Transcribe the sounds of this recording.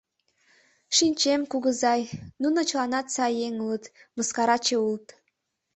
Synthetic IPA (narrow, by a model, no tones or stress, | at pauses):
ʃinʲt͡ɕemkuɣəzɑjnunət͡ɕlˠɑnɑt̪sɑjeŋulˠt̪məskɑɾɑt͡ɕeulˠt̪